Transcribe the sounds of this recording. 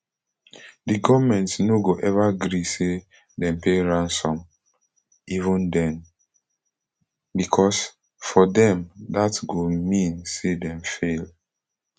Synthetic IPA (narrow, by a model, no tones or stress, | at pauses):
diɡɔvmɛ̃ntsnoɡoʔɛvaɡɹise | dɛ̃mpeɹãnsɔ̃m | ivũndɛ̃n | bikʰɔs | fɔdɛ̃mdatɡomĩnsedɛ̃mfel